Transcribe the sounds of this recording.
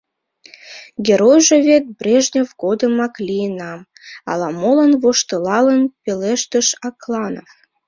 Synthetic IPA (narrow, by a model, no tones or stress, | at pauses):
ɡʲeɾojʒĕβet̪̚brʲeʒnʲevɡod̪əmɑklʲijənɑm | ɑ̰lɑmolənβoʃt̪əlɑlənpeleʃt̪əʃɑklɑnof